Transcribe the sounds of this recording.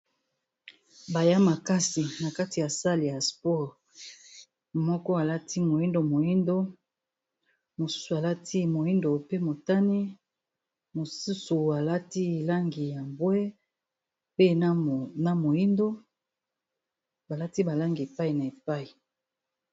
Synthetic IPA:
ba˨ja˦ma˨ka˦si˨na˨ka˦ti˨ja˨sa˦li˨ja˨spɔ˦˨ʁ | mɔ˦kɔ˦a˨la˦ti˦mo˨ji˦ndo˦mo˨ji˦ndo˦ | mo˨su̥˦su˨a˨la˦tʰi˦mo˨ji˦ndo˨pe˦mo˨ta˦ni˦ | mo˨su˦su˨a˨la˦ti˦˨la˦ŋɡi˨ja˨mbwɛ˦ | pe˦na˨mo˨i˦ndo˦ | ba˨la˦ti˦ba˨la˦ŋɡi˨e˨pa˦i˨na˨e˨pa˦i˨

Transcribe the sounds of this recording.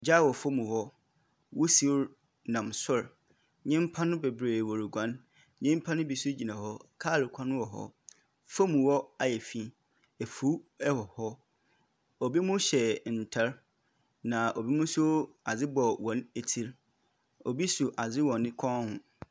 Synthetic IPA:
d͡ʑa˦˨wɔ˨fo˦mũ˨hɔ˦ | wʊ˦si˦ɾ | nã˨msʊ˦ɾ | ɲɪ̃˦m̩˦pʰã˦nʊ̃˦be˨bɾeː˨wɔ˨ɾi˨ɡʷã˨˦n | ɲɪ̃˦m˦pʰa˦nʊ̃˦bi˨su˦d͡ʑi˨nã˨ɦɔ˦kʰaː˦˨lɪ˨kʷʰã˦nʊ̃˦wɔ˨ɦɔ̰˦ | fo˦mũ˨wɔ˦a˨jɛ˨fi˦ | ɛ˨fu˦ɛ˦hɔ˨hɔ˦ | o˨bi˦mʊ̃˦ɕɛ˨n̩˨tʰɛ˦ɾ | nã˨ʔo˨bi˦mʊ̃˦sʊ˦a˨d͡zɪ˦bɔ˨wɔ̃˨˦ne˨tʰi˦ɾ | o˨bi˦su˨ʔa˨d͡zɪ˦wɔ̃˨nɪ̃˦kʷʰɔ̃˦hʊ̃˨

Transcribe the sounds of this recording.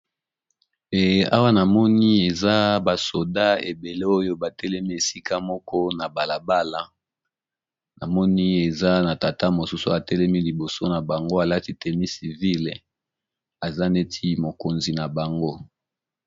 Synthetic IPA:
e˨a̰˦wa˦na˨mɔ˦ni˦e˨za˦ba˨so˨da˦ḛ˨be˨le˦o˦jo˦ba˨tɛ˦lɛ˦mi˦e˨si˦ka˦mɔ˦kɔ˦na˨ba˨la˨ba˦la˦ | na̰˨mɔ˦ni˦e˨za˦na˨ta˨ta˦mo˨su˦sṵ˦a˨tɛ˦lɛ˦mi˦li˨bo˨so˦na˨ba˨ŋɡo˦a˨la˦ti˨tɛ˨mi˦si˨vi˦l | a˨za˦ne˦tʰi˦mo˨ko˨nzi˨na˨ba˨ŋɡo˦

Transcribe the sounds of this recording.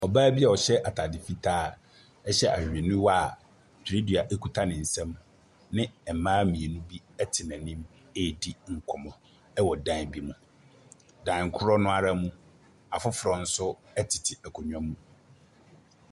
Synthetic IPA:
ɔ˨baː˦bi˦a˨ɔ˨ɕɛ˦ʔa˨tʰa˨dɪ˨fi˦tʰaː˦˨ | ɛ˦ɕɛ˦ʔa̰˨hᶣe˨nʊ̃˦wɔ˦a˨ | tʰɾe˦di˨a˨ʔe˦kʰu˦tʰa˦nɪ̃˨n̩˨sɛ̃˦m | nɪ̃˦ɛ˨mãː˦mĩ˨e˨nũ˦bi˦ɛ˦tʰɪ˨nã˨nɪ̃˦m | e˦˨di˦ŋ̩˨kʰɔ˨mɔ̃˨ | ɛ˦wɔ˨dã˦n˨bi˦mũ˨ | dã˨ŋ˨kʰʊ˦ɾɔ˦nʊ̃˦a˨ɾa˦mũ˦ | a˨fʊ˦fɾɔ˨n̩˦sʊ˦ | ɛ˦tʰɪ˨tʰɪ˨ɛ˨kʰɔ˨ɲᶣ˦˨ã˦mũ˦

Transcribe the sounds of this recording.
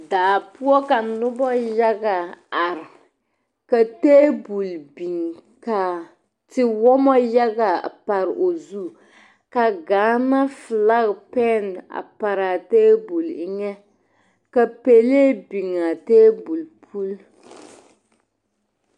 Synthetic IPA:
daː˨pu˦ɔ˦ka˨nʊ˦bɔ˦ja˦ɡa˨a˨ɾ | ka˨teː˦bu˨lbi˨ŋ | ka˨ | tɪ˦wɔ˦mɔ˦ja˦ɡa˨pa˨ɾʔo˨zu˦ | ka˨ɡaː˨˦na˦fɨ˨la˦ɣpɛ˦na̰˨pa˨ɾa˨teː˦bu˨lɪ˦ŋɛ˦ | ka˨pe˨le˦bi˨ŋa˨teː˦bu˨lpʰu˦l

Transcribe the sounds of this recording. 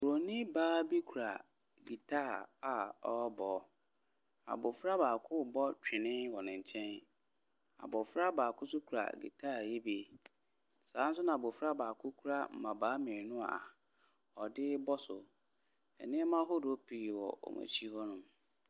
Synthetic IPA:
u˨ɾo˨nĩ˦baː˦bi˦kʰu˨ɾa˨ | ɡi˨tʰaː˦˨a˨ɔ˦bɔ˨ | a̰˨bʊ˨fɾa˦baː˨kʰʊ˦bɔ˦t͡ɕᶣɪ˨nɪ̃˦wɔ˨nɪ̃˨ɲ˨t͡ɕʰɛ̃˦n | a̰˨bɔ˨fɾa˦baː˨kʊ˦sʊ˦kʰu˨ɾa̰˨ɡḭ˨tʰaː˦˨je˦bi˦˨ | sãː˨˦n̩˦s̬ʊ˦nã˨a˨bʊ˨fɾa˦baː˨kʰʊ˦kʰu˦ɾa˦m̩˨mã˨baː˨˦mɪ̃˨nʊ̃˦a̰˨ | ɔ˨dɪ˦bɔ˦sʊ˨ | ɛ̰˨nɪ̃˦ɛ˦mã˦ɦʊ˦do˦pʰi˨wɔ̰˨ɔ̰˨mã̰˨t͡ɕʰi˦hɔ˦nʊ̃˨m

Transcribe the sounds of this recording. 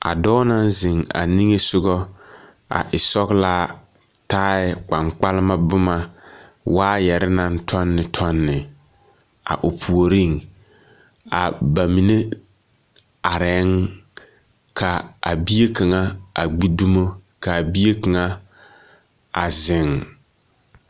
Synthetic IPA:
a̰˨dɔː˦na˦n˦zɪ˨ŋa̰˨ni˦ŋe˦sʊ˦ɡɔ˦ | a̰˨ʔɪ˨sɔ˦ɣlaː˦ | taː˦ɪ˨k͡pa˨ŋk͡pa˦lɪ˦ma˦bʊ˦ma˦waː˦jɛ˨ɾɪ˦na˦n˦tʰɔ˦nːɪ˨tʰɔ˦nːɪ˨ | a̰˨ʔʊ˨pʰu˨o˨ɾi˦˨ŋ | a̰˨ba˨mi˨ne˦ | a˨ɾɛ˨˦ŋ | kʰa˨a̰˨bi˦je˦ka˨ŋa˦a˨ɡ͡bi˦du˦mo˦ | ka˨bi˦je˦kɨ˨ŋa˦ | a˨zɪ˨ŋ

